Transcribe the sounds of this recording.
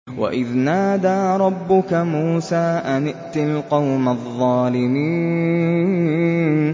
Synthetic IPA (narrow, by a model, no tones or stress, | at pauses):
wʔa̰ʔɪðnaːd̪aːɾˤɑbːʊkamuːsaːʔanɪʔt̪ɪlqɑwmaðˤːɑːlɪmiː | n